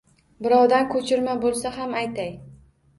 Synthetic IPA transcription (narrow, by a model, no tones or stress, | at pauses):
bɪɾɒwd̪ankʰɵt͡ʃʰɪɾmabolˠsaɦamajt̪ʰaj